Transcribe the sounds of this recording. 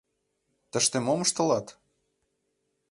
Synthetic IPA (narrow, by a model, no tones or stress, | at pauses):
t̪ə̆ʃt̪emoməʃt̪ɤ̆lɑt̪